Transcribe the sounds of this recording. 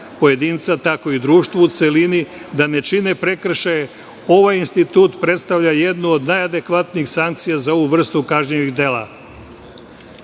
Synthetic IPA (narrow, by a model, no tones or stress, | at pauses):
po̞je̞d̪iːnt̪sat̪ako̞id̪ɾuːʃt̪ʋuut̪se̞linid̪ane̞t͡ʃine̞pɾe̞kr̩ʃaje | o̞ʋajinst̪it̪uːt̪pɾe̞t̪st̪aʋʎajed̪nuod̪najad̪e̞kʋat̪nixsaŋk̚t̪sijazao̞ʋuʋr̩st̪ukaʒɲeʋiɣd̪e̞ːlˠa̰